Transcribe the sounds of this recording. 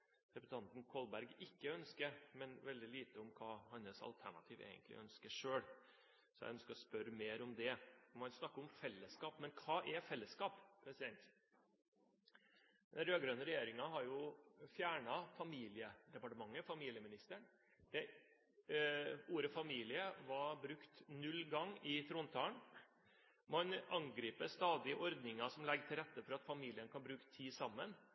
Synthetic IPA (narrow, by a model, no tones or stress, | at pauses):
ɾɛpt̪ʰɑnt̪n̩kʰɔlbæɾɡɪkːəœnskəɾmɛnʋɛld̪ɪliːt̪əɔmkʰɑːhɑnːəsɑ̰lt̪ʰæɳɑ̰t̪ʰiːʋḛːɡə̰nt̪lɪ̰ʔœnskəʂøːɭ | sɔjæ̰ɪœnskəɾɔspœɾmeːɾɔmd̪ɛɔmhɑnsnɑkːəɔmfɛlːəskɑːpmɛnkʰɑːʔɛfɛlːəskɑːppʰɾɛsɪd̪ɛnt̪ | d̪ɛnɾøːɡɾœnəɾɛjeːɾɪŋɑɦɑɾjʊfjæːɳɑfɑmiːlɪəd̪ɛpɑʈəmɑŋːəfɑmiːlɪəmɪnɪst̪əɳ | d̪̥ɛ | uːɾəfɑmiːlɪəʋɑbɾʉkt̪nʉlːɡɑŋːɪt̪ʰɾoːnt̪ʰɑːɳ | mɑnɑŋɡɾiːpəst̪ɑːd̪ɪəʔɔɾd̪nɪŋɑsɔmlɛɡət̪ʰɪlɾɛt̪ːəfɔɾɑt̪fɑmiːlɪənkʰɑnbɾʉːkə̥t̪ʰiːsɑmːən